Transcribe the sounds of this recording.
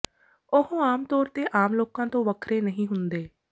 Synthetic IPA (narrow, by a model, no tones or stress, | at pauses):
ʊhõːaːmt̪ɔːɾt̪eːʔaːmloːkãːt̪õːʋəkʰɾeːnəɦĩːɦʊnd̪eː